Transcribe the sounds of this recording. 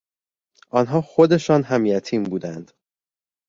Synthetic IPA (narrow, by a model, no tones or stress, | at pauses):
ʔɒːnɦɒːxo̞d̪e̞ʃɒːnɦæmjæt̪ʰiːmbuːd̪ænd̪̥